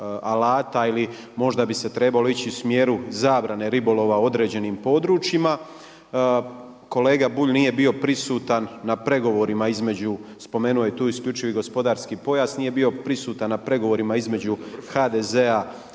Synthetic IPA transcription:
alaːt̪aili | mo̞ʒd̪abise̞t̪ɾe̞balo̞it͡ɕiusmjeːɾuzaːbɾane̞ɾibo̞lˠo̞ʋao̞d̪ɾe̞ːd͡ʑe̞niːmpo̞d̪ɾuːt͡ʃjima | ko̞leːɡabuʎnije̞bio̞pɾisuːt̪anːapɾe̞ɡo̞ʋo̞ɾimaizme̞d͡ʑuspo̞me̞ːnuojet̪uːiskʎʲut͡ʃiʋiɡo̞spo̞d̪aːɾskipo̞jasnije̞bio̞pɾisuːt̪annapɾe̞ɡo̞ʋo̞ɾimaizme̞d͡ʑuxad̪eze̞a

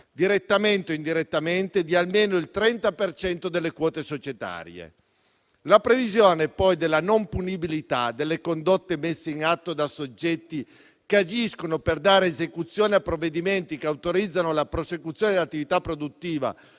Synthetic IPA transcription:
d̪iɾet̪ːament̪oind̪iɾet̪ːament̪ed̪ialmeːnoilt̪ɾɛnt̪apert͡ʃɛnt̪od̪elːekwɔːt̪esot͡ʃet̪a̰ːɾj̰ḛ | lapɾevizjoːneɛpːɔjd̪elːanompunibilit̪ad̪elːekond̪ot̪ːemesːeinat̪ːod̪asod͡ʒːɛt̪ːi | kead͡ʒiskonoperd̪aːɾeːzekut̪sːjoːneapːɾovːed̪iment̪ikeawt̪oɾid̪zːanolapɾosekut̪sːjoːned̪lat̪ːivit̪apːɾod̪ut̪ːiːva̰

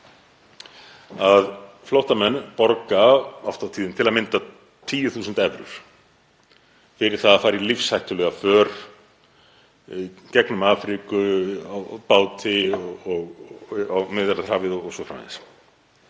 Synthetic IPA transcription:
að | flɔwht̪amɛnːpɔɾkaɔ̰ft̪awt̪ʰiːðɪnt̪ʰɪlaðmɪnt̪a | t̪ʰiːjʏθuːsʏnt̪ɛvɾʏ̰ɾ̥ | fɪɾɪɾ̥θaðafaːɾilifshajht̪ʏlɛɣafœːɾ̥ | icɛknʏmaːfɾikʏawpaːwt̪ʰɪɔɔɣawmɪðɾaθɾ̥haːvɪðɔɔsɔfɾam̰s

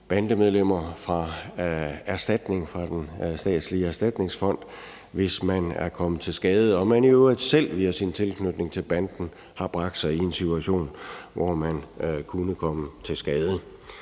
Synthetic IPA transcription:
b̥ænd̥əmeð̞ˠlem̰ɐfʁɑ̈ | æɐsd̥æd̥ne̝ŋfʁɑ̈d̥ensd̥ɛ̰ːd̥sliəæɐsd̥æd̥ne̝ŋsfɒ̽n̰d̥ | ʋe̝smænæɐkʰɒ̽məð̩ˠt͡sʰe̝lsɡ̥ɛːð̞ˠəɒ̽mæniøid̥sel̰ʋiɐsint͡sʰe̝lkʰnød̥ne̝ŋt͡sʰe̝lb̥ænd̥n̩ | hɑ̈b̥ʁɑ̈ɡ̥d̥sɑ̈ɪie̝nsit͡sʰuæɕo̝̰ːnʋɒmænkʰunəkʰɒ̽mət͡sʰe̝lsɡ̥ɛːð̞ˠə

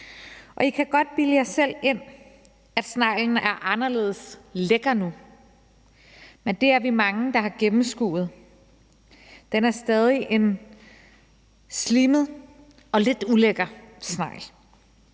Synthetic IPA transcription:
ʔɒ̽ikʰæɡ̥ɒ̽d̥̚b̥iləjɑ̈ɪsel̰e̝n̰ | æd̥snɑ̈ɪ̰ln̩æɐʔɑ̈nɐle̝̰ːð̞ˠəsleɡ̥ɐnu | mend̥e̝æɐʋimɑ̈ŋəd̥ɑ̈hɑ̈ɡ̥emm̩sɡ̥ṵːð̞̩ˠ | d̥enæɐsd̥ɛːð̞ˠiʔe̝n | sliməð̩ˠ | ɒ̽le̝d̥uleɡ̥ɐsnɑ̈ɪ̰l

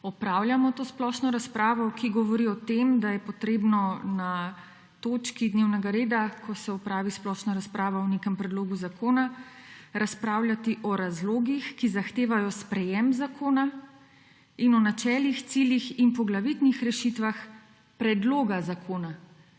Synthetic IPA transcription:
ɔpɾaːwljamɔt̪oːsplɔʃnɔɾaspɾaːʋɔɔkiɡɔʋɔɾiɔt̪emd̪ajɛpɔt̪ɾeːbnɔna | t̪oːt͡ʃkid̪neːwnɛɡaɾeːd̪akʰɔsɛɔpɾaːʋisplɔʃnɔɾaspɾaːʋɔɔnekɛmpɾɛd̪loːɡuzakoːna | ɾʔaspɾaːwlʲjat̪iʔɔɾazloːɡixkizaxt̪eːʋajɔspɾɛjɛmzakʰoːna | inɔnat͡ʃɛːlixt̪siljixinpɔɡlaʋit̪nixɾɛʃit̪ʋax | pɾɛd̪loːɡazakʰoːna

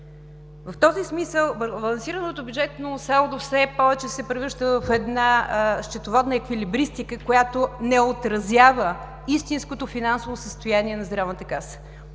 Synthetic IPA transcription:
vɐft̪ɔzismisəlˠbbɐlˠɐnsiɾənot̪ʊbʲjud͡ʒɛt̪nosalˠd̪ofsɛpɔvɛt͡ʃɛsɛpɾɛvɤʒd̪əvəfɛd̪naʃt͡ʃ̪ɛt̪ovɔd̪nəɛkvilibɾist̪ikəkojat̪onɛot̪ɾɐzjavə | ist̪inskot̪ofinansovosəst̪ojaniɛnɐzd̪ɾavnət̪əkasə̥

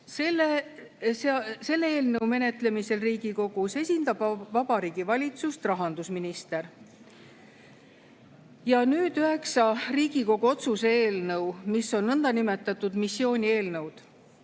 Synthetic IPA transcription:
sele | sese̞lːeeːlnɤwme̞ne̞t̪le̞mise̞lriːɡiko̞ɡ̥use̞sʲind̪̥ɑb̥vɑbɑɾiːɡ̥ivɑlʲit̪sust̪rɑɦɑnd̪usminist̪e̞r | jɑnyːd̪̥yɦe̞ksɑriːɡiko̞ɡ̥uo̞t̪suseeːlnɤwmisːo̞nːɤnd̪ɑnime̞t̪ːˑɑt̪ːˑud̪̥misːio̞ːnʲie̞ːlnɤwd̪̥

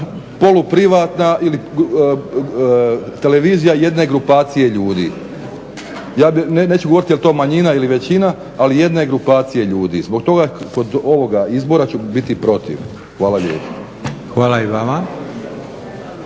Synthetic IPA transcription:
po̞lupɾiʋaːt̪naʔili | t̪e̞le̞ʋiːzijaje̞d̪ne̞ɡɾupaːt̪sije̞ʎuːd̪ḭː | jaːbinneːt͡ʃuɡooɾit̪jelit̪o̞ːmaɲinailiʋe̞t͡ɕinaː | lije̞d̪ne̞ɡɾupaːt̪sije̞ʎuːd̪ḭːzbo̞ɡt̪o̞ɡako̞d̪o̞ʋo̞ɡaizbo̞ɾat͡ɕubit̪ipɾo̞t̪ḭʋ | xʋaːlaʎḛːpo̥ | xʋaːlaiʋama

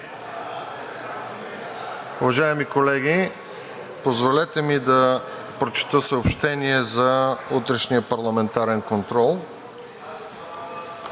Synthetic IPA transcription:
uvɐʒaɛmikolɛɡʲi | pozvolɛt̪ɛmid̪ɐ | pɾot͡ʃɛ̥t̪əsəopʃt̪ɛniɛzɐut̪ɾɛʃniəpɐɾlˠɐmɛnt̪aɾɛnkont̪ɾɔlˠ

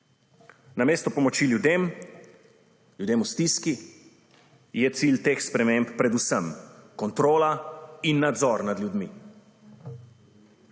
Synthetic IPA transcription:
nameːst̪ɔpɔmɔt͡ʃiljud̪eːm | ljud̪eːmust̪iski | jɛt̪silt̪exspɾɛmemppɾɛd̪usəmkɔnt̪ɾoːlainːad̪zɔɾnad̪ljud̪mḭ

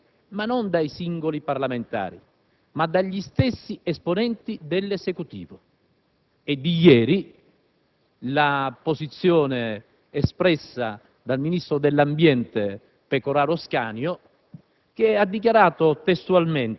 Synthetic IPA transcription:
manɔnd̪ajsiŋɡoliparlament̪a̰ːɾḭ | mad̪aʎːist̪ɛsːiɛsponɛnt̪id̪elːezekut̪ḭːvʊ | ɛd̪ːijɛːɾi | lapozit̪sːjɔːneː | spɾɛsːa | d̪alminist̪ɾʊd̪elːambjɛnt̪e | pekoɾaːɾoska̰ːnjʊ | k̟ead̪ːik̬jaɾaːt̪ʊt̪est̪ualmen

